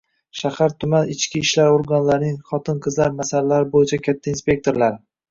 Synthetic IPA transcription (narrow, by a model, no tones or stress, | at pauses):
ʃahaɾt̪ʰʊmanɪt͡ʃkʲɪːʃlaɾoɾɡɒnlaɾnɪŋχɒt̪ʰɪnqʰɨzlaɾmasalalaɾɪbojɪt͡ʃʰakʲʰat̪ʰːainspʲe̞k̚t̪ʰo̞ɾlaɾ